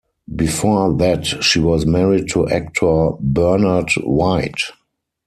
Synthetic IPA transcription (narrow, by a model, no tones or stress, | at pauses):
bifɔðætʃiwɔzmɛɹid̚tʰuʔɛk̚tʰɔbɜ˞nədwaɪt